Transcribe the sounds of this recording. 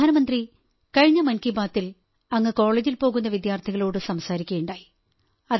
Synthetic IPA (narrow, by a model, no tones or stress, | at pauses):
aːnɐmɐnd̪ri | kɐɻiɲːɐmɐnkibaːt̪ːil | ɐŋːɨko̞ːɭeːd͡ʑilpo̞ːɣunːɐʋid̪jaːrt̪ʰiɣɐɭo̞ːɽɨsɐmsaːɾikʲːeːɳɖaːji | ɐð